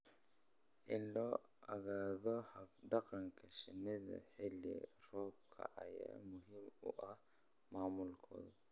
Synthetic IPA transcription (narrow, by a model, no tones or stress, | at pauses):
ʔɪlɔː | ʔɐɣaːðɔhɐfdɑqɑŋkʰɐʃɪnɪðɐ̰ħɪlɪ̰r̥ɔːb̚kʰɐ̰ʔɐja̰ːmʊɦɪmʊʔɐh | maːmʊlkʰɔ̰ːðʊ